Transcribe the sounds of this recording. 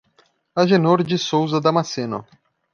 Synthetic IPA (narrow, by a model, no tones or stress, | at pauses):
ɐʒenoɾd͡ʒɪsowzɐd̪ɐmasenʊ̰